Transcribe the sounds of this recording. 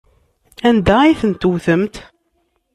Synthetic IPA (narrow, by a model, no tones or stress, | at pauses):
ænd̪æiθənt̪wθəmt̪